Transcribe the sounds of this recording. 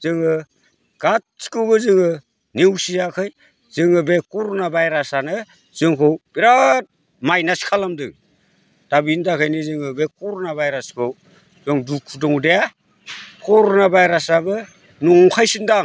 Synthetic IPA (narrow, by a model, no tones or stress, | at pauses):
z̥ɯŋɯ | ɡ̥at̚si̥kɯwbɯzɯŋɯ | niwsijakʰɯj | z̥ɯŋɯbekɔɾɔnabajɾasanɯ | z̥ɯŋkʰɯwbiɾat̚ | majnasi̥kʰalamdɯŋ | d̥abindakʰɯjnizɯŋɯbekɔɾɔnabajɾaskʰɯw | z̥ɯŋdukʰudɔŋdeja | kɔɾonabajɾasabɯ | nuŋkʰajsindaŋ